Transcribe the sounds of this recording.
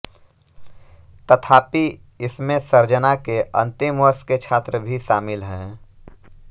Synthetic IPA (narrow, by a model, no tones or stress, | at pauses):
t̪ət̪ʰaːpi | ɪsmẽsəɾd͡ʒənakeʔɐ̰̃nt̪ɪmʋəɾsket͡ʃʰaːt̪ɾəbʱiʃaːmɪlɦɛ̃ː